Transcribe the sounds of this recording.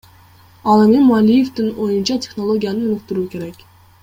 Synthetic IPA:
ɑlˠemʲɪmʊalʲːije̞fd̪ɪnojʊnt͡ʃʰɑt̪ʲʰe̞χno̞lˠo̞ɡʲijanɪʊnɪk̚t̪ɪɾukʲʰe̞ɾakʲ

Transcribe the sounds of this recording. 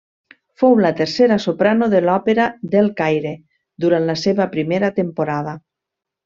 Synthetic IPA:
fowlat̪eɾseɾasopɾanoðelɔpeɾaðelˠkajɾe | d̪uɾanlaseβapɾimeɾat̪empoɾað̞a

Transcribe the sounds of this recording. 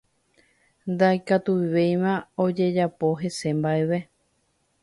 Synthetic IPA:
nd̪ajkat̪uβiʋe̞jʋãod͡ʒe̞d͡ʒapo̞ɦe̞se̞mbaeʋe̞

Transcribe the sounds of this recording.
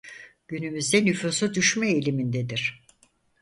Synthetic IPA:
ɟ̥ynymyzd̪ɛnyfusud̪yʃmɛelʲimind̪ɛd̪iɾ̝̥

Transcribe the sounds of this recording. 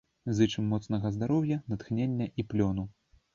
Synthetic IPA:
zɨt͡ʂɨmːɔt̪snɐɣɐzd̪aɾɔwjɐnɐt̪xnʲenʲːɐʔiplʲɔnu

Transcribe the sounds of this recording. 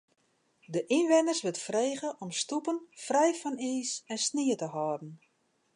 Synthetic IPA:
dəʔinʋɪnərsʋɪtfreːɣəʔɔmstupənfrɛjfɔniːsɛnsniətəɦɔːdn̩

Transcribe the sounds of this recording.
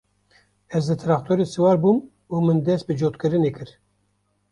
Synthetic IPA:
ɛzd̪ɨt̪ʰɾɑːk̚t̪ʰoɾesɨwɑːɾbuːm | umɨnd̪ɛst̪̚bɨd͡ʒoːt̪kɨɾɨneːkʰɨɾ

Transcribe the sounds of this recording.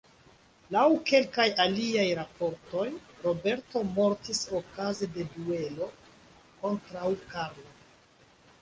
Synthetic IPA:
lawke̞lkajaliajɾapo̞ɾto̞jɾo̞be̞ɾto̞mo̞ɾtiso̞kazede̞due̞lo̞ | ko̞ntɾawkaɾlo

